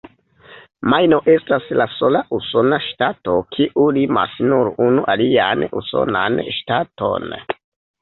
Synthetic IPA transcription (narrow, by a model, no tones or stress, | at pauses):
majnoʔestaslasolaʔusonaʃtatokʰiʔulima̰snuɾunuʔalianṵso̰na̰nʃtato̞̰n